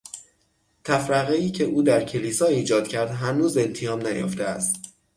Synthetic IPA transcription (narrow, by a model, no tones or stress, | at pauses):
t̪ʰæfɾæɣeiːcʰe̞ʔuːd̪æɾcʰe̞liːsɒːiːd͡ʒɒːd̪̥̚cʰæɾd̪ɦænuːze̞nt̪ʰejɒːmnæjo̰ft̪eæst̪